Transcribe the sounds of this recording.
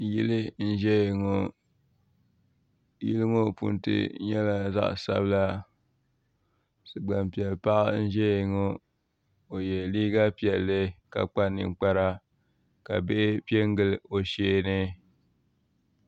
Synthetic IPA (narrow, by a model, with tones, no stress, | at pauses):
ji˦lɨ˦n̩˦ʒɛ˦˨ŋo˨ | jḭ˦lɨ˦ŋo˦pṵ˨ntɨ̰˦ɲɛ˦la˦za̰˦ʔsa̰˦bɨ˦la˦ | sɨ˨ɡ͡ba˨mpi˨ɛ˨lpa˦ʔn̩˦ʒɛ˦˨ŋo˦ | o˨jɛ˨liː˦ɡa˦pi˨ɛ˨lːɨ˦ka̰˨k͡pa˦nːɨ̰˨ŋ˨k͡pa˦ɾa˦ | ka˨be˦ʔɪ˦pi˦ɛ˦ŋ˦ɡɨ˦˨lo˨ʃeː˦nɨ˦